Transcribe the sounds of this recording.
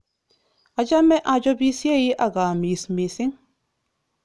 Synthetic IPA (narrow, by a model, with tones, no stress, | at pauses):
a˨d͡ʒa˦mɛ˦ʔa˨d͡ʒɔ˦bi˦sje˦ji˦ʔa˨ɡa˨mi˨smi˨sɪ˦ŋ